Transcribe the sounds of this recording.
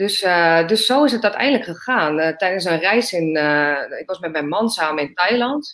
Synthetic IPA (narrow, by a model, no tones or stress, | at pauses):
d̥øsdøsːoːɪsɦətɔtɛ̰jndləkχəχaːntɛjdəns̬ənrɛjsɪnɪkʋɑsmɛtmɛjnmɔnsaːmənɪntɛjlɔnt